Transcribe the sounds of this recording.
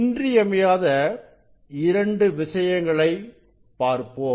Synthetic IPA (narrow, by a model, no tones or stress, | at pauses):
ndriɐmɐjaːðɐ | ɪɾɐɳɖɯʋɪʂɐjɐŋɡɐɭɐɪ | paːɾpoː